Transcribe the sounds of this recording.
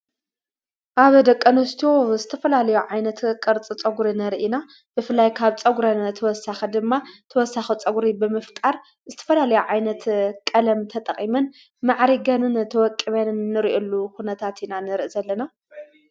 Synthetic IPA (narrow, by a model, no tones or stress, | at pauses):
ʔaβd̪ɐkʼːɐnɐst̪ʰozɨt̪ʰɐfɐlalɐjuʕajnɐt̪kʼɨɾt͡sʼɨt͡sʼɐɡuɾinɐɾʔina | bɨfɨlajkʰaβt͡sʼɐɡuɾɐnt̪ʰɐwɔsaxid̪ɨmːat̪ʰɐwɔsaxit͡sʼɐɡuɾibɨmɨft̪ʼaɾ | zɨt̪ʰɐ̥fɐlalɐjuʕajnɐt̪kʼɐlɐmt̪ʰɐt̪ʼɐχʼimɐn | maʕɾiɡɐnɨnt̪ʰɐwɔkʼːiβɐnːɨɾiʔolːukunɐt̪ʰat̪inanɨɾɨʔzɐlːɐna